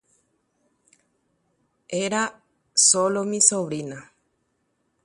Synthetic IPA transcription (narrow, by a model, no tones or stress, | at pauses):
eɾa | solomĩsoʋɾina